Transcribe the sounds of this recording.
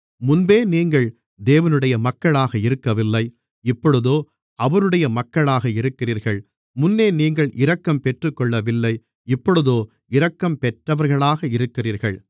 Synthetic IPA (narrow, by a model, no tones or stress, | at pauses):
mʊnbeːniːŋɡɐɭ | d̪eːʋɐnɯɽɐjɐmɐkːɐɭaːɣɐɪɾɯkːɐʋɪlːɐɪ | ɪpːɔɻɯðoː | ɐʋɐɾɯɽɐjɐmɐkːɐɭaːɣɐɪɾɯkːɪriːɾɣɐɭ | mʊnːeːniːŋɡɐɭʔɪɾɐkːɐmpɛʈrɯkːɔɭːɐʋɪlːɐɪ | ɪpːɔɻɯðoː | ɪɾɐkːɐmpɛʈrɐʋɐɾɣɐɭaːɣɐɪɾɯkːɪriːɾɣɐ̰ɭ